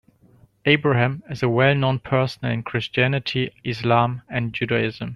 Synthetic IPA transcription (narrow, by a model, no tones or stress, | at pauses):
eɪbɹəhæ̃mɪzəwɛlˠnõʊ̃npʰɜ˞sn̩əl̩ɪ̃nkʰɹ̥ɪst͡ʃiænɪtʰiɪslãmɨ̃nd͡ʒʉɾaɪzə̃m